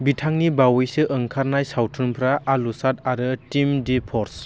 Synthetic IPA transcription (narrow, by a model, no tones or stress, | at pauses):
bitʰaŋnibawɯjsɯʔɯŋkʰaɾnajsawtʰɯnpʰɾaʔalusat̚aɾɯtimdipʰɔɾs